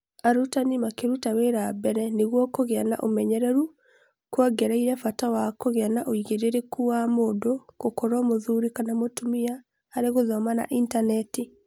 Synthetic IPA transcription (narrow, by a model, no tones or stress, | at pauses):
aɾutanimakeɾutaweɾabɛɾɛneɣwɔkoɣeana̰ʔomɛɲɛɾɛɾu | kwaɡɛɾaiɾɛfatawakoɣanaʔoiɣeɾeɾekuwamodokokoɾɔmoðuɾikanamotumiaː | ɾeɣoðɔmana̰ʔintanɛti